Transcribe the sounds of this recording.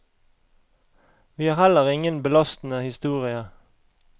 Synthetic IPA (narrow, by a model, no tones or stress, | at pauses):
ʋiːhɑːʁhɛləʁɪŋənbəlɑst̪n̩əhɪst̪uːʁɪə